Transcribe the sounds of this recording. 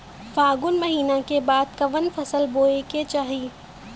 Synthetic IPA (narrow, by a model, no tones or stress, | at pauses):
faːɡʊnmɐɦiːnakebaːd̪̚kɐʋənfɐsəlboːeket͡ʃaːɦiː